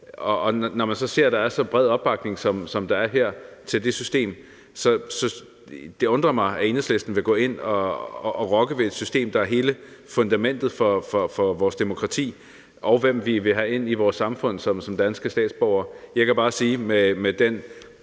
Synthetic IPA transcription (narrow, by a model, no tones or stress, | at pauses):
ɒːnɒmænsɒ̽se̝ɐ̰d̥ɑ̈æɐsɒ̽b̥ʁɛð̰ˠɒ̽b̥ɑ̈ɡ̥ne̝ŋsɒ̽msɒ̽md̥ɑ̈æɐɦeɐ̰t͡sʰe̝ld̥e̝sysd̥e̝̰ːm | sɒ̽sɒ̽ | d̥e̝ɔ̽nd̥ʁɐmɑ̈ɪæenəsle̝sd̥n̩ʋe̝ɡ̥ɔ̰̽ːe̝n̰ɒ̽ɒːʁɒ̽ɡ̥əʋe̝ed̥sysd̥e̝̰ːmd̥ɑ̈æɐɦe̝ːlə | fɔ̽nd̥æmen̰d̥ð̩ˠfɒ̽fɒfɒ̽ʋɒːsd̥e̝mo̝kʰʁɑ̈t͡sʰḭː | ʔɒʊʋem̰ʋiʋe̝ɦæe̝n̰iʋɒːsːɑ̈mfɔ̽n̰sɒ̽msɒ̽md̥ænsɡ̥əsd̥ɛ̰ːd̥sb̥ɒʊɐjɑ̈ɪkʰæb̥ɑ̈ːsiːmemed̥en̰